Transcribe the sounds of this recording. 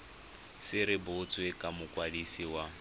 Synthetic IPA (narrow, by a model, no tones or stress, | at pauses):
sɪɾɪbʊt͡sʼwekʼamʊkʼwadisiwa